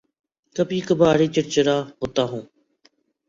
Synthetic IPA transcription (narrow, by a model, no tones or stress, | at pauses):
kəpiːkəbʱaːɽiːt͡ʃəʈt͡ʃɾaːɦoːt̪aːɦũː